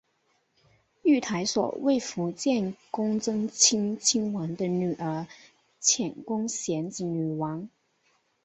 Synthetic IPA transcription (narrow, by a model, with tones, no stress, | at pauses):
y˥˩t̪ʰa˧˥ɪswɔ̰˨˩we˥˩ɪfu˧˥t͡ɕjɛ˥˩nkʊ˥ŋt͡sɤ˥ŋt͡ɕʰi˥ŋt͡ɕʰi˥ŋwa˧˥nd̪ə˧ny˨˩ʔə˞˧˥ | t͡ɕʰjɛ˨˩nkʊ˥ŋɕjɛ˧˥nt͡si˧˩ny˨˩wɑ˧˥ŋ